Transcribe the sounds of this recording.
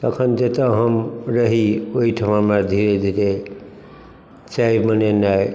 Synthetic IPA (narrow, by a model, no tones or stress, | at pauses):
t̪əkʰənt̪et̪əɦəmɾəɦioɦiʈʰəmamad̪ʱiɾed̪ʱiɾe | t͡ʃaimənenaj